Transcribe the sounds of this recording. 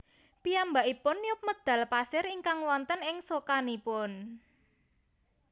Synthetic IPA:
piambaʔipʊnːjʊp̚məd̪̥a̤lpasɪɾiŋkaŋwɔnt̪ənɪŋsokanipʊn

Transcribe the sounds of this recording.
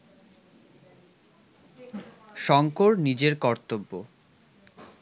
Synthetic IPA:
ʃɔŋkoɾnid͡ʑeɾkɔɾt̪obːo

